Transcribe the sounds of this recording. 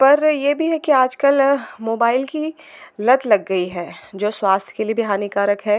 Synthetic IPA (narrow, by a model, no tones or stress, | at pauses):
pɐɾjeːbʱiɦɛkiaːd͡ʒkəlmoːbaːɪlki | lɐd̪lɐɡːɐiɦɛːd͡ʒoːswaːst̪ʰkeliebʱiɦaːnikaːɾəkɦɛː